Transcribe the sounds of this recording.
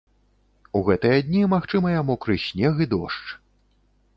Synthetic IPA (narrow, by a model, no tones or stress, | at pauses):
uɣɛt̪ɨjɐd̪ʲnʲimaxt͡ʂɨmɐjamukɾɨɕʲnʲɛɣɨd̪ɔ̰ʂt͡ʂ